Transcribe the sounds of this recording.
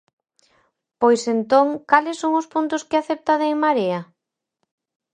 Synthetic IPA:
pojsent̪oŋkalɪsːoŋʊspunt̪ʊskɪaθep̚t̪aðeŋmaɾeɐ

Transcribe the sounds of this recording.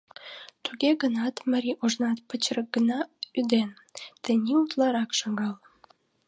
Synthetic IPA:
t̪uɣeɣənɑt̪məɾʲiʔuʒnɑt̪pət͡ɕrək̚ɡənɑyd̪en | t̪ənʲiut̪lɑɾɑkʃɑŋɡɑl

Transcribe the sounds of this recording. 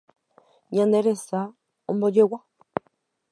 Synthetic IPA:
ɲãnd̪eɾesa | õmbod͡ʒewa

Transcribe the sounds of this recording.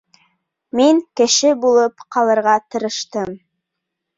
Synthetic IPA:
miŋkɘ̆ʃɘbulˠɤpqɑlˠɤ̆ɾʁɑt̪ɤ̆ɾɤ̆ʃt̪ɤm

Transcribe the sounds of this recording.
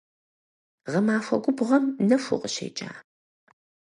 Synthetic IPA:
ʁɐmaːfʷɐ̰ɡʷʊbʁɐmnɐfʷʊ̰qʼəɕḛːt͡ʃʼa̰ː

